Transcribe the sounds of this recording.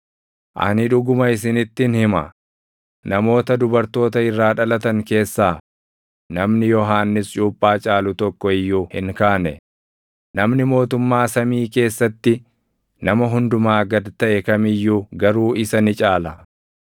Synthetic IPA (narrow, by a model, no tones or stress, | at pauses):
ʔɐ̰nɪᶑʊɡʊmɐɪsɪnɪt̪ːɪnhɪmɐ̰ | nɐmo̞ːt̪ɐd̪ʊbɐɾt̪o̞ːt̪ɐɪrːaːᶑɐlɐt̪ɐŋke̞ːsːaː | nɐmnɪjɔɦaːnːɪst͡ʃʼuːpʼːaːt͡ʃʼaːlʊt̪ɔkːɔɪjːuːhɪŋkaːnɛ | nɐmnɪmo̞ːt̪ʊmːaːsɐmiːke̞ːsːɐt̪ːɪ | nɐmɐɦʊnd̪ʊmaːɡɐd̪t̪ɐʔɛkɐmɪjːuɡɐɾuːɪsɐnɪt͡ʃʼaːlɐ